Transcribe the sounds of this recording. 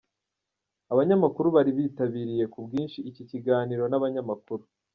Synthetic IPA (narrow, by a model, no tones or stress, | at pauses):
aβaɲamakuɾuβaɾiβiːtaβiːɾije̞kubɡiːnʃiːciciɡaːniɾo̞naβaɲamakuɾu